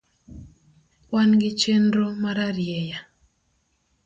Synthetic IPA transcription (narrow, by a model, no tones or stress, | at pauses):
wanɡɪt͡ʃendɾomaɾaɾjeja